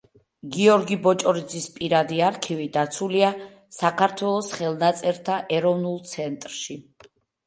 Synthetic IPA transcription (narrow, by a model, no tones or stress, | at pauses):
ɡiɔɾɡibɔt͡ʃʼɔɾid̪zispʼiɾad̪iaɾkʰivid̪at̪sʰulia | sakʰaɾt̪ʰwɛlˠɔsχɛlˠnat̪sʼɛɾt̪ʰaʔɛɾɔvnulˠt̪sʰɛnt̪ʼɾʃi